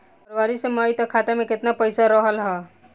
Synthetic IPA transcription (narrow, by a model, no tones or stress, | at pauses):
pɐɾʋaːɾisemaːit̪ɐkʰːaːt̪emẽkɪt̪napəɪsaɾəɦəlɦɛː